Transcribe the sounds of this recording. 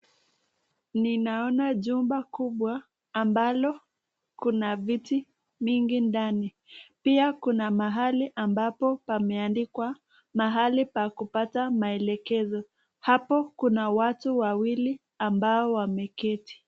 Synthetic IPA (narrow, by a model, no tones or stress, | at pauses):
ninaɔnaʄumbakuɓwaː | mbalɔ | kunaviti | miŋɡindani | piakunamaɦaliʔambapɔpamɛandikwa | maɦalipakupatamaɛlɛkɛzɔ | hapɔkunawatuwawili | ambaɔwamɛkɛti̥